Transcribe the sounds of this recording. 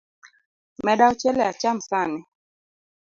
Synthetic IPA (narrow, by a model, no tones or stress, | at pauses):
mɛɗaɔt͡ʃɛlɛjat͡ʃam̩sanɛ